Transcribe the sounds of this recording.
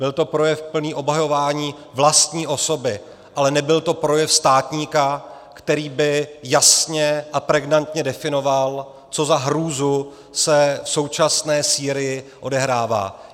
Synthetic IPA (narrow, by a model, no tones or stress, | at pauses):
b̥ɪlt̪o̞pɾo̞jɛfpl̩niːʔo̞bɦajo̞vaːɲiː | vlast̪ɲiːʔo̞so̞bɪ | ʔalɛnɛbɪlt̪o̞pɾo̞jɛfst̪aːt̪ɲiːka | kt̪ɛɾiːbɪjasɲɛʔapɾɛɡnant̪ɲɛdɛfɪno̞val | t͡so̞zaɦɾuːzu | sɛfso̞wt͡ʃasnɛːsiːɾɪjɪʔo̞dɛɦɾaːva̰ː